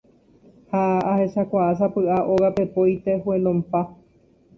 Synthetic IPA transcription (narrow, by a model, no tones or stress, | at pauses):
haahe̞ʃakʷaas̬apɨʔaʔoɣape̞pojt̪e̞huelõmpa